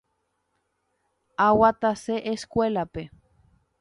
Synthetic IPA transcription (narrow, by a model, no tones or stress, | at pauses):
awat̪aseʔeskʷelape